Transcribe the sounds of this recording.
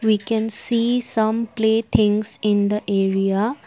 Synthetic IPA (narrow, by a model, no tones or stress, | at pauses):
ʋikɛ̃nsiːsʌ̃mpleːt̪ʰɪ̃ŋsɪ̃nd̪əʔeːɾia